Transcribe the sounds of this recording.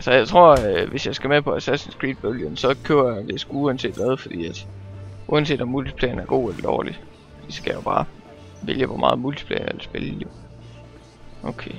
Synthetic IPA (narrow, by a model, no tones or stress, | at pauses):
ælsəjɑ̈ɪt͡sʰʁo̝ɐ̰øʋe̝sjɑ̈ɪsɡ̥æmepʰɒ̽æsæ̥sensɡ̥ʁḭːd̥̚b̥oljonsɒ̽kʰøːɐjad̥e̝sɡ̥uuænse̝̰ːd̥ʋæð̞ˠfɒ̽d̥ḭːæd̥ʔuænse̝̰ːd̥ɒmult͡sʰi̥pʰlɛ̰ːɐn̩æɐɡ̥o̝̰ːelɐd̥ɒ̰ːli | d̥isɡ̥æjo̝b̥ɑ̈ː | ʋe̝ljəʋɒmɑ̈ːðˠmult͡sʰi̥pʰlɛ̰ːɐelsb̥e̝ljo̝ | oʊkʰe